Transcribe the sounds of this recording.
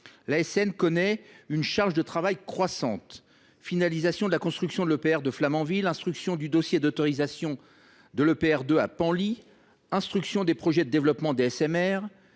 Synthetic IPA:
laɛsɛnkɔnɛynʃaʁʒd̪ət̪χavajkχwasɑ̰̃t̪ | finalizasjɔ̃d̪əlakɔ̃st̪χyksjɔ̃d̪əlopeɛʁd̪əflamɑ̃vilɛ̃st̪χyksjɔ̃d̪yd̪ɔsjed̪ɔt̪ɔʁizasjɔ̃ | d̪əlopeɛʁd̪øapɑ̃li | ɛ̃st̪χyksjɔ̃d̪epχɔʒɛd̪əd̪evlɔpmɑ̃d̪eɛsɛmɛʁ

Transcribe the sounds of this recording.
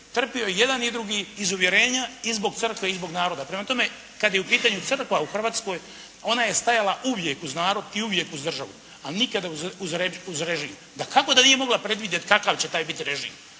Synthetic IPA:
t̪r̩piojeje̞d̪anid̪ɾuɡiːzuʋje̞ɾe̞ːɲaizbo̞ɡt̪sɨr̩kʋe̞izbo̞ɡnaːɾo̞d̪apɾemat̪o̞me̞ | kad̪jeupiːt̪aɲut̪sɨr̩kʋauxr̩ʋaːt̪sko̞ːj | o̞naje̞st̪ajalaʔuʋje̞kuznaːɾo̞d̪iuʋje̞kuzd̪r̩ʒaʋṵ | anikad̪auuzɾeuzɾeʒiːm | d̪akako̞d̪anije̞mo̞ɡlapɾe̞d̪ʋid̪jet̪kakaʋt͡ɕe̞t̪aːjbit̪iɾe̞ʒḭːm

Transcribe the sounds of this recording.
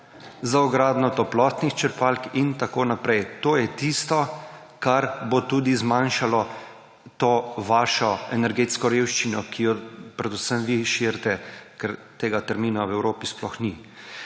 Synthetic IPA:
zaɔɡɾaːd̪nɔt̪ɔplɔːt̪nixt͡ʃəɾpalkint̪akoːnapɾɛjt̪oːjɛt̪ist̪ɔ | kaɾbot̪uːd̪izmanʃalɔ | t̪oːʋaːʃɔɛnɛɾɡet̪skɔɾeːwʃt͡ʃinɔkijɔpɾɛd̪usəmʋiʃiɾt̪ɛkɛɾt̪eːɡat̪ɛɾmiːnawɛwɾoːpisplɔxni

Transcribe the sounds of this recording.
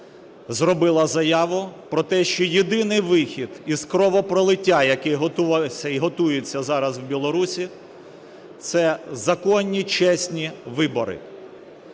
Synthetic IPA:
zrɔbɪlˠɐzɐjɑʋʊpɾɔt̪ɛʃt͡ʃɔjed̪ɪnɪjʋɪxʲid̪̥izkɾɔʋɔpɾɔlˠɪtʲːajɐkɛɦɔt̪uʋʲɐiɦɔt̪ujet͡sʲːɐzɑɾɐzwbʲilˠɔɾusʲi | t̪sɛzɐkɔnʲːit͡ʃɛsʲnʲiʋɪbɔɾɪ̰

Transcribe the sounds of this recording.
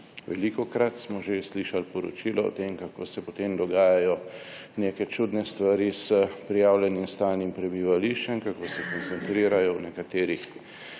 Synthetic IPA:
ʋɛlikɔkɾat̪smɔʒesliʃalpɔɾɔ̰t͡ʃiːlɔo̰t̪emkako̰ːsɛpɔt̪emd̪ɔɡaːjajɔ | nekɛt͡ʃuːd̪nɛst̪ʋaɾisəpɾijaːwlʲjɛnimst̪aːlnimpɾɛbiʋaliʃt͡ʃɛmkakoːsɛkɔnt̪sɛnt̪ɾiːɾajɔwnɛkat̪eːɾix

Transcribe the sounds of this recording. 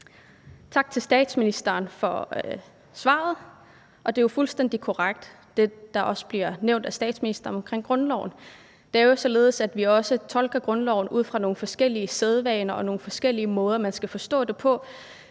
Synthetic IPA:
t͡sʰɑ̈ɡ̥̚t͡sʰe̝lsd̥ɛ̰ːd̥sminisd̥ɐːnfɒ̽ | sʋɑ̰̈ð̞̩ˠ | ʔɒ̽d̥e̝jofulsd̥en̰d̥ikʰo̝ʁaɡ̥̚d̥ | d̥e̝d̥ɑ̈ʔɒ̽sb̥liɐneʊnd̥æsd̥ɛ̰ːd̥sminisd̥ɐɒmɒ̽mkʰʁeŋ̰ɡ̥ʁɔ̽nlɒʊn̩ | d̥e̝æɐjo̝sɒ̽le̝ːð̞̩ˠəsæd̥ʋiɒ̽sət͡sʰɒ̽lɡ̥ɐɡ̥ʁɔ̽nlɒʊ̰n̩ʔuð̞̰ˠfʁɑ̈no̝ːn̩fɒ̽sɡ̥el̰iəseð̞ˠʋɛɪnɐʔɒ̽no̝ːn̩fɒ̽sɡ̥el̰iəmɔ̽ːð̞ˠɐmænsɡ̥æfɒ̽sd̥ɔ̰̽ːd̥e̝pʰɒ̽

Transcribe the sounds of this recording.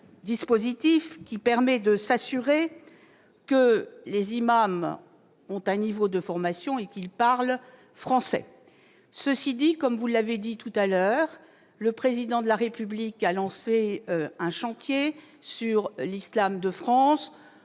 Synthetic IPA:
d̪ispozit̪ifkʲipɛʁmɛd̪əsasyʁe | kəlezimam | ɔ̃t̪ɛ̃nivod̪əfɔʁmasjɔ̃ekilpaʁl | fχɑ̃sɛ̰ | səsid̪ikɔmvulːaved̪it̪ut̪alœʁ | ləpχezid̪ɑ̃d̪əlaʁepyblikalɑ̃seɛ̃ʃɑ̃t̪je | syʁlislamd̪əfχɑ̃s

